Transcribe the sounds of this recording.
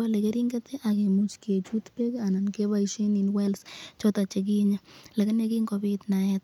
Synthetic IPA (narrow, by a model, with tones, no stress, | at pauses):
a˦le˨ke˦ɾi˦ŋɡet̪e˦ʔa˨ke˨mu˨t͡ʃke˨t͡ʃu˦t̪pe˦ka˨na˨nke˦ba˦iʃe˦ni˨nwɛ˦lst͡ʃɔ˦ta˨t͡ʃe˨k̬i˦ɲa˨la˨ke˦ne˦ki˦ŋko˨bit̪na˨ɛt̚